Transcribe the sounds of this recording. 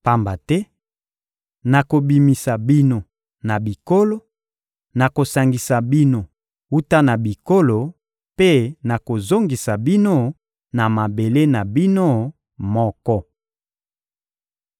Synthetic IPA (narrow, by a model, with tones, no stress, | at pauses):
pa˦mba˨tɛ˦ | na˨ko˨bi˨mi˨sa˨bi˦no˨ | na˨bi˨ko˦lo˦ | na˨ko˨sa˨ŋɡi˨sa˨bi˦no˨ | u˦ta˦na˨bi˨ko˦lo˨ | pe˦na˨ko˨zo˦ŋɡi˨sa˨bi˦no˦ | na˨ma˨be˨le˦na˨bi˦no˦ | mɔ˦kɔ˦